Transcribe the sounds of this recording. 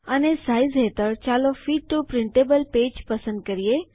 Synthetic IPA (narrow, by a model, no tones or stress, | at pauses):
anesaizɦet̪əɾt͡ɕalɔfiːʈʈupɾiɳʈebəlped͡ʑpəsənd̪̚kəɾije